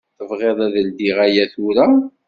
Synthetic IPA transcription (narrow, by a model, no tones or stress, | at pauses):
θəvʁeðˤæðəld̪iʁæjæθʊɾa